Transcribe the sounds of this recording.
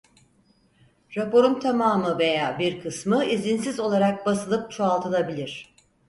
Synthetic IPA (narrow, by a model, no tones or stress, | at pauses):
ɾapo̞ɾunt̪ʰamaːmɯve̞jaːbiɾkʰɯsmɯizinsizo̞lˠaɾak̚basɯlˠɯp̚t͡ʃʰoalˠt̪ʰɯlˠabilʲiɾ̝̥